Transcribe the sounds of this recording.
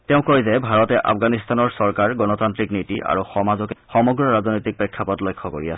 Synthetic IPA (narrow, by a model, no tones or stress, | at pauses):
tɛʊ̃koɹizɛbʱaɹɔtɛʔa̰pɡanist̪anɔɹsɔɹkaɹɡɔnɔtantɹiknitiʔa̰ɹuxɔmazɔkxɔmɔɡɹɔɹaznɔjtik̚pɹɛkʰːapɔtlojkʰːɔko̰ɹia̰sɛ